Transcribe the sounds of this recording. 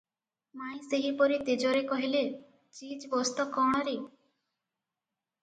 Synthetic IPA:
maj̃seɦipɔɾit̪ed͡ʒɔɾekɔɦile | t͡ʃid͡ʒbɔst̪ɔkɔɽ̃ɔɾi

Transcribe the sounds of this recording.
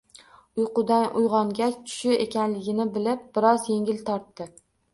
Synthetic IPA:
ʊjqʊd̪anʔʊjʁɒŋɡʲat͡ʃʰʊ̥ʃɪe̞kʲanlɪɡʲɪnɪbɪlɪp̚b̥ɪɾɒzje̞ŋʲɪlt̪ʰɒɾt̪ːɪ

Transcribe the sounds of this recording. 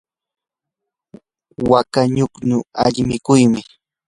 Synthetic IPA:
wakaɲʊkɲʊa̰ʎmɪkʊjmɪ

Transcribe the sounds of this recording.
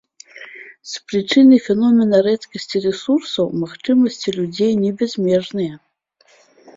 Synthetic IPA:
spɾɨt͡ʂɨnɨfʲɛnɔmʲɛnɐɾɛt̪kɐsʲt͡sʲirɛsursɐwmaxt͡ʂɨmɐsʲt͡sʲilʲud͡zʲejnʲɛbʲɛzʲmʲɛʐnɨjɐ

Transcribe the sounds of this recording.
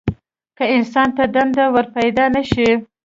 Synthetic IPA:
kəɪnsɑnt̪ad̪and̪awəɾpajd̪ɑnaʃi

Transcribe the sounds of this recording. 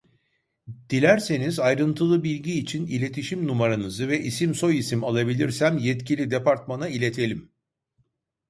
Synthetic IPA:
d̪̥ilʲæɾse̞nizajɾɯnt̪ʰɯlˠɯbilʲɟiːt͡ʃʰinilʲe̞t̪ʰiʃimnumaɾanɯzɯvɛʔisimso̞jisimalˠabilʲiɾsæmjɛt̪cʰilʲid̪epaɾt̪̚manailʲet̪ʰe̞lʲim

